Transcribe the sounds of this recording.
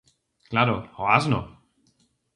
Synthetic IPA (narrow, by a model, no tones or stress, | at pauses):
klaɾohoazno